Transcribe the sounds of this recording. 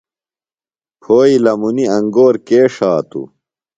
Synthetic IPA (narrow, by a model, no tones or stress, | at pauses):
pʰoːilɐmuniɐŋɡoːɾkeːʂaːt̪ṵ